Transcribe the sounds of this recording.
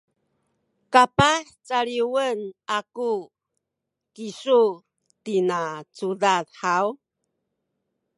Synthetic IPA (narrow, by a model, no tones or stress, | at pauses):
kapaħt͡saɭiwənaku | kiʂu | tinat͡sudaðħaw